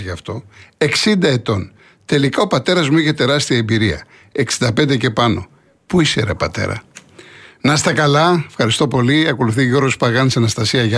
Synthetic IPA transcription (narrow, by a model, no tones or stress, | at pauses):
ʝɐft̪o̞e̞ksind̪ɐe̞t̪o̞n | t̪e̞likɐo̞pɐt̪e̞ɾɐzmuiçe̞t̪e̞ɾɐst̪iɐembiɾiɐ̰ | e̞ksind̪ɐpe̞nd̪e̞ce̞pɐno̞̰ | puisḛɾepɐt̪e̞̰ɾɐ̰ | nɐst̪ɐkɐlɐefxɐɾist̪o̞po̞liɐko̞luθiʝoɾɣospɐɣɐnseɐnɐst̪ɐsiɐʝɐ